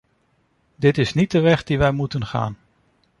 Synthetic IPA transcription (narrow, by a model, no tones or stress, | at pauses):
dɪtɪsnit̚dəʋɛχdiʋɛjmutənχa̰ːn